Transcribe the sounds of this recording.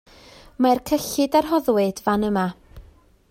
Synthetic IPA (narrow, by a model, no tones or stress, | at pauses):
markʰəɬɪdarɦɔðwɪd̥vanəma